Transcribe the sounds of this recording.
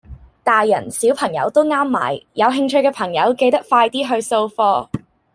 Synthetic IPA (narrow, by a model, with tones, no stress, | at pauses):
t̪aː˨jːɐ˨˩nsiː˨˥wpʰɐ˨˩ŋjɐ̰˨˧wt̪o˥wŋaː˥mːa̰ː˨˩jjɐ˨˧wɦɪ˧ŋt͡ʃʰɵ˧ɥkɛː˧pʰɐ˨˩ŋjɐ˨˧˥wke˧jt̪ɐ˥k̚faː˧jt̪iː˥ɦɵ˧ɥso˧wfɔː˧